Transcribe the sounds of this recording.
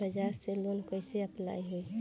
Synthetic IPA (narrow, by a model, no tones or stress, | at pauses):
əd͡ʒaːselonkoɪseɐpla̰ːiɦeː